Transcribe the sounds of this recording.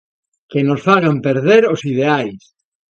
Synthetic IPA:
kenosfaɣampeɾð̞eɾosið̞eajs

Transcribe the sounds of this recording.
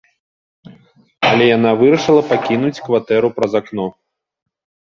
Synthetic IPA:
ɐlʲɛjanavɨɾɐʂɨlˠɐpakʲinut͡sʲkvat̪ɛɾupɾɐzaknɔ

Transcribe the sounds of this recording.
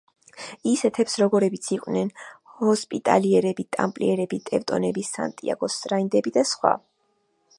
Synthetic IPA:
isɛt̪ʰɛpsɾɔɡɔɾɛbit̪sʰiqʼwnɛnhɔspʼit̪ʼa̰liɛɾɛbit̪ʼa̰mpʼliɛɾɛbit̪ʼɛvt̪ʼɔ̰nɛbisa̰nt̪ʼia̰ɡɔsʼɾaind̪ɛbid̪asχwa̰

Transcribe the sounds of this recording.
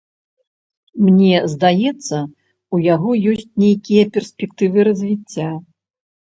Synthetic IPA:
mnʲɛzd̪ajɛt̪sːɐ | ujaɣɔjɔsʲt͡sʲnʲejkʲijɐpʲɛrsʲpʲɛkt̪ɨvɨɾɐzʲvʲit͡sʲːa

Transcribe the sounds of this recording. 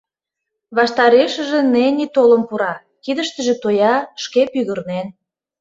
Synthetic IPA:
βɑʃt̪ɑɾeʃə̆ʒĕnenit̪oləmpuɾɑ | kid̪ə̆ʃt̪əʒĕt̪ojɑʃkepyɣərnen

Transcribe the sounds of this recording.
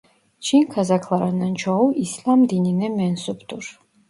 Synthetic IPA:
t͡ʃʰinkʰazakʰlˠaɾanant͡ʃʰɔwislʲamd̪ininɛmɛnsupʰt̪uɾ

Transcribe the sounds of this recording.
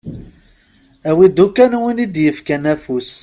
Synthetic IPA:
æwid̪ukænwənid̪jəfkænæfus

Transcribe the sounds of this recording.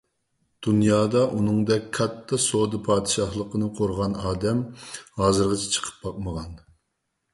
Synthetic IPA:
d̪̥unjɑːd̪ɑʔunɨŋd̪ɛkʲkʰɑt̪ʰːɑsod̪ɨpʰɑːd̪ɨʃɑhlˠəqənɨqʰoɾʁɑnɑːd̪ɛmhɑːzɨɾʁɑt͡ʃʰi̥t͡ʃʰə̥qʰə̥p̚bɑq̚məʁɑn

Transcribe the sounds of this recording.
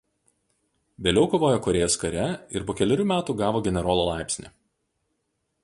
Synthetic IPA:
ʋʲeːlʲɛʊkoːʋoːjoːkɔɾʲeːjoːskɐɾʲɛɪɾpoːkʲɛlʲɪɾʲuːmʲæːt̪uːɡɑːʋoːɡʲɛnʲɛɾoːlˠoːlˠɑɪpʲsʲnʲḭː

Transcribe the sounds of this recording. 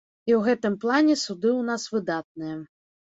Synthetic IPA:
iwɣɛt̪ɨmplˠanʲɛsud̪ɨwnasvɨd̪at̪̚nɨjɛ

